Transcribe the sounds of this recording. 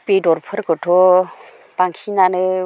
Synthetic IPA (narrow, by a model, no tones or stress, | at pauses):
pedɔɾpʰɯɾɡɯtʰɔ | baŋkʰinanɯ